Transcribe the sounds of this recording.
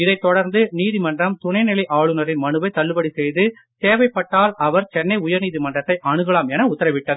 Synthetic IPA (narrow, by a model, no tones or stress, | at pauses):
ɪðɐɪt̪ːɔɽɐɾnd̪ɯniːðimɐndrɐmt̪ʊɳɐɪnɪlɐɪʔaːɭɯnɐɾɪnmɐnɯʋɐɪt̪ːɐlːɯbɐɽisɛjðɯ | t̪eːʋɐɪpːɐʈːaːlɐʋɐɾt͡ʃɛnːɐɪʊjɐɾniːðimɐndrɐt̪ːɐɪʔɐɳɯɣɐɭaːmɛnɐʊt̪ːɐɾɐʋɪʈːɐð